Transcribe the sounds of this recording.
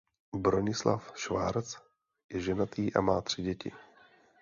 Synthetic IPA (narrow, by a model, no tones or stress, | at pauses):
bɾoɲɪsla̰fʃvaːɾt͡s | jɛʒɛnat̪iːʔa̰maːt̪r̥ɪɟɛcɪ̰